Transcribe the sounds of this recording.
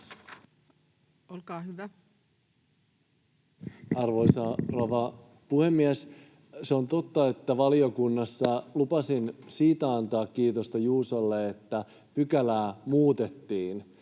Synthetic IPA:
olkɑːhyʋæ | ɑrʋo̞jsɑroʋɑ | puhe̞mːiæs | seo̞nt̪o̞t̪ːɑe̞t̪ːæʋɑlio̞kunːɑsːɑlupɑsinsiːt̪æɑnt̪ɑːkkiːt̪o̞st̪ɑjuːsolːeet̪ːæ | pykælæːmuːt̪e̞t̪ːiːn

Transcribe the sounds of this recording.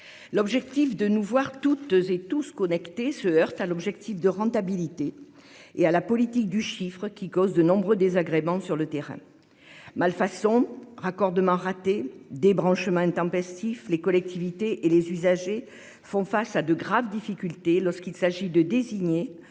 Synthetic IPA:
lɔbʒɛk̚t̪ifd̪ənuvwaʁt̪ut̪zet̪uskɔnɛkt̪esəœʁt̪alɔbʒɛkt̪ifd̪əʁɑ̃t̪abilit̪e | ealapɔlit̪ik̚d̪yʃifχəkʲikɔzd̪ənɔ̃bʁød̪ezaɡʁemɑ̃syʁlət̪eʁɛ̰̃ | malfasɔ̃ʁakɔʁd̪əmɑ̃ʁat̪ed̪ebʁɑ̃ʃəmɑ̃ɛ̃t̪ɑ̃pɛst̪iflekɔlɛk̚t̪ʰivit̪eʔelezyzaʒe | fɔ̃fasad̪əɡʁavd̪ifikʲylt̪elɔʁskilsaʒid̪əd̪eziɲe

